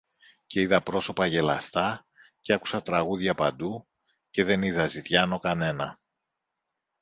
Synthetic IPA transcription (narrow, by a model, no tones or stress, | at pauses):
ce̞iðɐpɾo̞so̞pɐʝe̞lɐ̰st̪ɐ | ceɐku̥sɐt̪ɾɐɣuðʝɐpɐnd̪u | ce̞ðe̞niðɐzit̪ʝɐno̞kɐne̞nɐ